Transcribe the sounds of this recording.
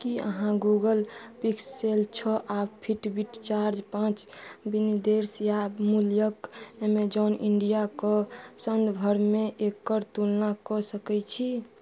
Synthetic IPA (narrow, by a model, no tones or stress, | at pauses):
kiə̰ɦãɡuɡəlpikselt͡ʃʰɔʔabpʰiʈbiʈt͡ʃaɾd͡ʒpãt͡ʃbinid̪eɾsjamuljəkemed͡ʒɔnʔiɳɖijakɔsənd̪bʱəɾmeʔekːəɾt̪ulnakɔsəkɛt͡ʃʰi